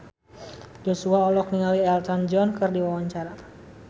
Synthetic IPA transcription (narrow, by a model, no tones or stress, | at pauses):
d͡ʒosuaɔlɔk̚niŋaliɛlt̪and͡ʒɔnkɨrdiwawaɲt͡ʃaɾa